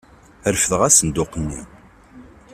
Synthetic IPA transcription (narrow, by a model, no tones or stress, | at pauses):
əɾfəθəʁæsənd̪ʊqːənːi